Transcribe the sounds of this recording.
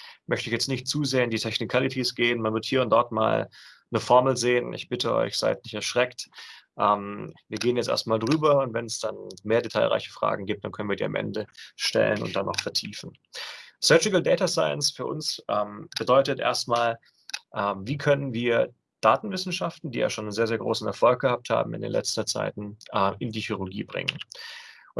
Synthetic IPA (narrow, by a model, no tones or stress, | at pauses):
mʔœçtəɪçjɛt͡stnɪçt̚t͡suːzeːɐɪndiːtʰɛçnɪkʰalɪtʰisɡ̥eːənmanvɪɐthiːɐʊntd̥ɔɐtma̰ːl | nəfɔɐml̩zeːənʔɪ̰çb̥ɪtʰəʔɔ̰ʏçz̥a̰ɪtnɪçtɛɐʃʁ̥ɛktʔɛːmviːɐɡeːənjɛt͡stʔḛɐstmaːldʁyːbɐʊntvɛnɛsd̥anmeːɐdetʰa̰ɪlʁa̰ɪçə̥fʁ̥a̰ːɡŋ̩ɡiːp̚td̥ankʰœnənviːɐdiːa̰mʔɛ̰ndəʃtɛ̰lə̰nʊ̰nt̚d̥anʔa̰ʊfɛɐtʰiːfn̩ | sœtɪkəldɛːtasaɪənsfyːɐʔʊ̰nsʔɛmb̥ədɔʏtətʔḛːɐstmaːl | ʔɛːmviːkʰœnənviːɐ | d̥aːtn̩vɪsn̩ʃaftn̩diːja̰ːʃoːnənzeːɐzeːɐɡʁo̰ːsn̩ɛ̰ɐfɔlk̚ɡ̥əhap̚tha̰ːbm̩ɪ̰ndḛːnlɛ̰t͡stɐt͡sa̰ɪtn̩ʔɛʔɪndiːçyʁʊɡḭːbʁɪ̰ŋə̰n